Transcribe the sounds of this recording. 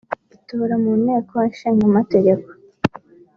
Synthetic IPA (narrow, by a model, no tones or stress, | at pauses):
ituːɾamuːneːkowenʃiːŋɡamateɡe̞ko̥